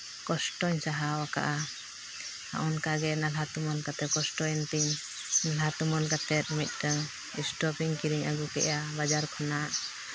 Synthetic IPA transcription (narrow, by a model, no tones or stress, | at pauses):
kɔsʈɔɲsaɦawaka̰ʔa | ha̰ʔɔnkaɡɛnalɦat̪umɔlkat̪ɛkɔsʈɔjnt̪iɲ | nalɦat̪umɔlkat̪ɛt̪̚mit̪̚kəŋ | ɛsʈɔpiŋkiɾiɲaɡukɛ̰ʔjabad͡ʒaɾkʰɔnaʔ